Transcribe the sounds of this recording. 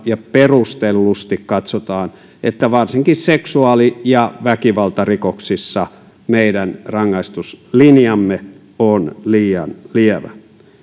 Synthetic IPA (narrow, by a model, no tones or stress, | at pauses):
jɑperust̪elːust̪ikkɑt̪sot̪ɑːn | ʔet̪ːæʋɑrsiŋkisseksuɑlijɑʋækiʋɑlt̪ɑrikoksisːɑ | meidænrɑŋːɑist̪uslinjɑmːe | onliːjɑ̰nliɛʋæ̰